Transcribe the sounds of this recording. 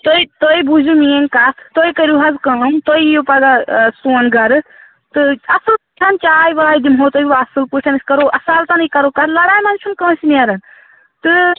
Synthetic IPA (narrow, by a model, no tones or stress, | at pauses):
t̪oit̪oibuzumieŋkat̪t̪oikɐɾuɦɐzkɐ̃ːmt̪oijopɐd̪asuːnɡɐɾɨ | t̪ɨɐsɨlpuʈʰɐnt͡ʃaːjʋaːid̪imɦoːt̪ojʲiʋaɐsɨlpuʈʰɐniskɐɾoʔɐsaːlt̪ɐnɨkɐɾoːkɐɾlɐɾaːjmɐnt͡ʃʰunkɐ̃ːsiniɐɾɐn | t̪ɨ